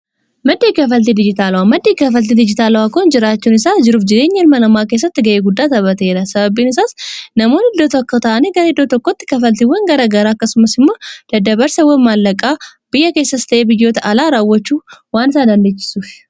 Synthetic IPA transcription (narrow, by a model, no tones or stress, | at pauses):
mɐd̪ːeːkɐfɐlt̪id̪ɪd͡ʒɪt̪aːlɐwamɐd̪ːeːkɐfɐlt̪̬id̪ɪd͡ʒɪt̪aːlɐwakond͡ʒɪɾaːt͡ʃːunɪsad͡ʒɪɾuːfd͡ʒɪd̪eːɲːɐlmɐlɐmaːkeːs̬ːɐt̪ːɪɡɐʔeːɡʊd̪ːaːt̪ɐβɐt̪e̞ːd̪ɐsɐbɐbiːnɪs̬asnɐmo̞ːnɪd̪ːoːt̪ɐkːɐt̪aːneɡɐɾhɪd̪ːoːt̪ɔkːɔt̪ːɪ̥kɐfɐlt̪ɪwɐnɡɐɾɐɡɐɾaːɐkːɐsʊmɐsɪmːo̞ːd̪̥ɐd̪ɐbɐɾsɐwɐnmaːlːɐkʼːaːb̥ɪjːɐke̞ːsːɐst̪ɐʔeːbɪjːo̞ːt̪ɐʔɐlaːɾawːɐt͡ʃːuwaːnsad̪ɐnd̪et͡ʃːɪ̥suʃ